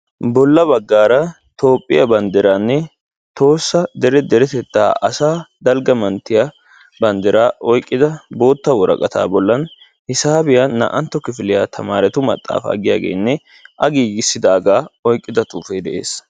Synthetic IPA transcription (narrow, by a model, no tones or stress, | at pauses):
bɔlːɐbɐɡːaːɾɐ | t̪o̞ːpʼːɪjɐbɐnd̪ɛɾaːnːɛ | t̪o̞ːsːɐd̪ɛɾɛd̪ɛɾɛt̪ɛt̪ːa̰ːʔɐsaːd̪ɐlɡɐmɐnt̪ːɪjɐ | bɐnd̪ɛɾaːʔɔjkʼːɪd̪ɐbo̞ːt̪ːɐwɔɾɐ̰kʼɐt̪a̰ːbɔlːɐn | hɪsaːbɪjɐnɐ̰ʔɐnt̪ːɔkɪfɪlɪjat̪ʰɐmaːɾɛt̪ʊmɐ̰t̪ʼːa̰ːfɐ̰ːɡɪjaːɡḛːnːɛ | ʔɐɡiːɡɪsːɪd̪aːɡaːɔjkʼːɪd̪ɐt̪ʼuːfeːd̪ɛʔe̞̰ːs